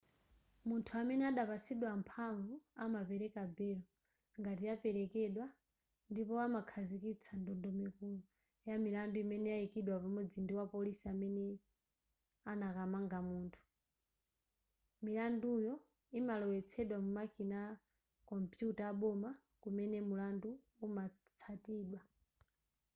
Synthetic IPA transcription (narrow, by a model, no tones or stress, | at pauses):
muntʰuamɛnɛaɗapasiɗwampʰaɱvuamapɛɾɛkabɛlɔ | ŋɡatijapɛɾɛkɛɗwa | ndipɔamakʰazikit͡sʰandɔndɔmɛku | jamilanduimɛnɛjaikiɗwapamɔd͡zindiwapɔlisiamɛnɛ | anakamaŋɡamuːntʰu̥ | milandujɔ | imalɔwɛt͡sʰɛɗwamumakina | kɔmpjutaːɓɔma | kumɛnɛmulanduː | ma | t͡sʰatiːɗwa